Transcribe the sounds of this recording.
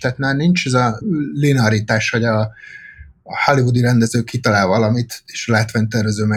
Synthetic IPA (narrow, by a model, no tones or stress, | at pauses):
t̪ɛt̪nɛnint͡ʃɛzɒlinɒɾit̪aːʃhɒɟɒ | hɒlivud̪iɾɛnd̪ɛzøːkːit̪ɒlaːlvɒlɒmit̪eːʃɒlaːt̪vʋaːɲt̪ɛrvɛzøːmɛ